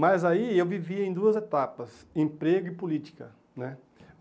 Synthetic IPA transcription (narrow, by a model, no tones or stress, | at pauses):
mɐzaiewviviɐẽj̃d̪uɐzet̪apɐsẽpɾeɡʊɪpolit͡ʃi̥kɐ | nɛ